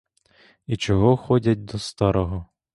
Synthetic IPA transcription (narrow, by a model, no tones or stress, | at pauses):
it͡ʃɔɦɔxɔdʲɐt̚ʲd̪ɔst̪ɑɾɔɦɔ